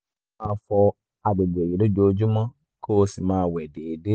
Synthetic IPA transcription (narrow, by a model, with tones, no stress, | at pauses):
a˧˦fɔ˧ | a˨be˨bji˨lo˦d͡ʒo˧d͡ʒu˦mɔ̃˦ | ko˦˧si˨mãː˦˧wɛ˨de˨de˦